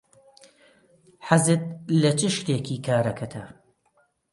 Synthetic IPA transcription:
ħazɨt̪̚lɐt͡ʃɪʃt̪eːkʰiːkʰaːɾɐkʰɐt̪ʰɐ

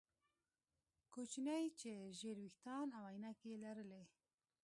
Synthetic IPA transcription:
kot͡ʃinɛjt͡ʃeʒeːɾwixt̪ɑːnawajnakelɐɾɨle

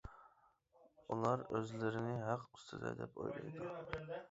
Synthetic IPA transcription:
ulˠɑɾøzlɪɾɪnɪɦɑqyst̪ʰɨd̪ɨ̰d̪ɛpo̰jlˠɑ̰jd̪u

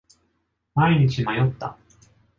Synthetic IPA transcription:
maiɲ̟it͡ɕimajo̞t̪ːa̰

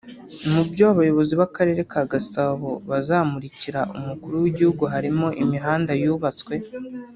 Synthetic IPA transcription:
mubjoaβajo̞βo̞ziβakaɾe̞ːɾe̞kaɡasaɦoβazaːmuɾiciɾaʔṵmukuɾuwiɟihuɡuɦaɾimo̞ʔimiɦaːndajuːβat͡swe̞

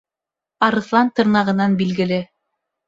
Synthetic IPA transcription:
ɑɾɤ̆θlˠɑnt̪ɤ̆ɾnɑʁɤ̆nɑnbilɡɘ̆lɘ

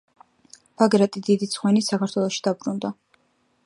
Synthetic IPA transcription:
b̥aɡɾat̪ʼid̪id̪it̪sʰχwɛnisakaɾt̪ʰwɛlˠɔʃi̥d̪abɾund̪a

